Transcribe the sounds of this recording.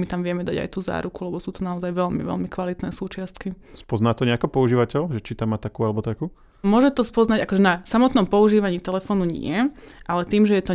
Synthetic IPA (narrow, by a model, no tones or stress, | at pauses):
mit̪amʋɪɛmɛd̪aɟa̰jt̪uːza̰ːɾukulɛbɔsuːt̪ɔnaɔzajʋɛlmḭʋɛ̰lmikʋalit̪nɛːsuːt͡ʃɪast̪ki | spɔznaːt̪ɔɲɛakɔpɔuʒiːʋacɛʎʒɛt͡ʃit̪amːat̪akuːalɛbɔt̪akuː | mʊɔʒɛt̪ɔspɔznaɟakɔʒɛnasamɔt̪nɔmpɔuʒiːʋaɲiːt̪ɛlɛfɔːnuɲɪ̰ɛʔalɛt̪iːmʒɛjɛt̪ɔ